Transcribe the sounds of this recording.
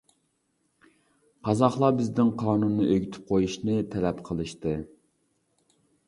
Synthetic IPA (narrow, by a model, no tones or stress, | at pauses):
qʰɑzɑχlˠɑbɪzd̪ɪŋqʰɑːnunːɨʔøɡʲyt̪ʰy̥p̚qʰojuʃnɨt̪ʰɛlɛpqʰəlˠɨʃt̪ɨ